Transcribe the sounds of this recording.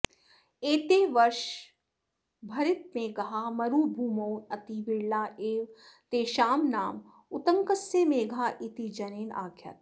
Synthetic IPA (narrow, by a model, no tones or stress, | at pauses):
eːt̪eːʋɐɾʃ | bʱɐɾɪt̪̚mẽɡɐɦaːmɐɾuːbʱuːmoːɐt̪iʋɪɾlaːʔeːʋ | t̪eːʃaːmnaːm | ʊt̪əŋkəsːeːmeːɡʱaːʔɪt̪id͡ʒɐneːna̰ːkʰjɐ̰t̪̚